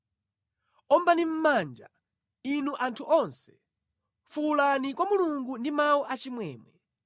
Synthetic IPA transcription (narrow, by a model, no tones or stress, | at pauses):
ɔmbanim̩mand͡ʒa̰ | inuʔantʰuʔɔnsɛ̥ | fulanikwamuluŋɡundimaɔʔat͡ʃimwɛːmwɛ